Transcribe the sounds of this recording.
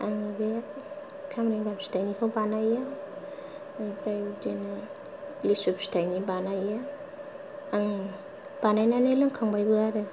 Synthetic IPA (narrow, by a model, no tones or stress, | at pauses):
aŋabe | kʰamɾeŋɡamstajnikʰawbanaja | abajud͡ʒena | lisup̚stʰajnibanaja | aŋ | b̥anajnanelɯŋkʰaŋbajbɯaɾɯ